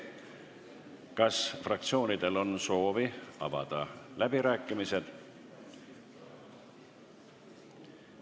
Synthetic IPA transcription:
kɑsfrɑkt̪sio̞ːnid̪̥e̞lo̞nso̞ːviɑ̰vɑ̰d̪̥ɑlæbiɾæːkˑːimise̞d̪̥

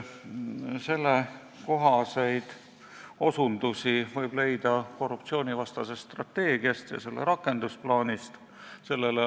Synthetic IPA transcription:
se̞lːe | ko̞ɦɑse̞jd̪̥ | o̞sund̪usivɤjb̥le̞jd̪̥ɑko̞rːupt̪sio̞ːnivɑst̪ɑsestːt̪rɑt̪ːe̞ːɡ̥iɑst̪jɑ̰se̞lːḛɾɑkːˑe̞nd̪̥usplɑːnʲist̪ | se̞lːele

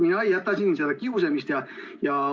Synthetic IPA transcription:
minɑijɑt̪ːɑsʲinːsiɑld̪ækiusemist̪jɑjɑ

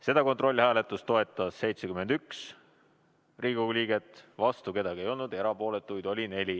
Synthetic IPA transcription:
se̞d̪ɑko̞nt̪ro̞lʲːihæːle̞t̪ːˑust̪o̞e̞t̪ːˑɑsːe̞jt̪sekymed̪yks | riːɡuliːɡet̪ːˑvɑst̪uke̞d̪̥ɑɡ̥ie̞jo̞lnud̪eɾɑpo̞ːle̞t̪ːˑujd̪̥o̞lʲine̞lʲi

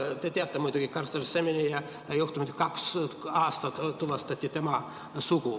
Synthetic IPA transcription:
t̪et̪ʲeɑt̪ːæmujt̪uɡ̥ikɑrst̪ɑrisemenijɑ | juht̪umet̪ʲkɑksɑːst̪ɑt̪uʋɑst̪ɑt̪ʲːit̪æmɑ | suku

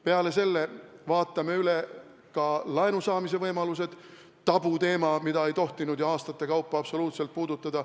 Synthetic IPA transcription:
pe̞ɑle̞se̞lːe̞vɑːt̪ːˑɑme̞yle̞ | kɑlɑenusɑːmise̞vɤjmɑluse̞d̪̥ | t̪ːɑb̥ut̪e̞ːmɑmid̪ɑe̞jt̪o̞ht̪inud̪̥jɑɑːst̪ɑt̪ːe̞kɑwpːɑɑb̥so̞luːt̪se̞lt̪̚puːd̪̥ut̪ːˑɑd̪̥ɑ

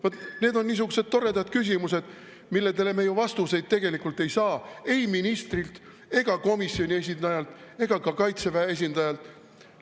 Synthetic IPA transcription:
vot̪ne̞ːd̪o̞nːiːs̬uɡ̥use̞d̪̥̚t̪o̞ɾe̞d̪ɑd̪̥̚kys̬ʲimuse̞d̪̥ | milːed̪e̞le̞mejuvɑst̪use̞jd̪̚t̪e̞ɡ̥e̞likult̪ːˑe̞jsɑːe̞jminist̪rilt̪ | e̞ɡ̥ɑko̞misːio̞nʲie̞s̬ʲind̪̥ɑjɑlt̪ˑe̞ɡ̥ɑkɑkɑjt̪se̞væees̬ʲind̪ɑjɑlt̪ˑ

